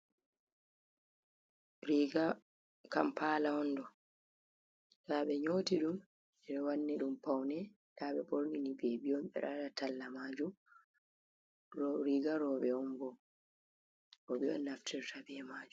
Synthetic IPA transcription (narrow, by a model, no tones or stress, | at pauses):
ɾiɡa | kampalahɔndɔ | saɓɛɲoːtiɗum | ɛɗɔwanːɛɗumpawnɛ | ɗaɓɛboɾninibebiɔmɓɛ̰ɗadatalːamaːd͡ʒum | ɾiɡaɾɔɓɛɔmbɔ | ɾɔɓɛɔ̰nːaftʰɛɾtabɛɛmaːd͡ʒu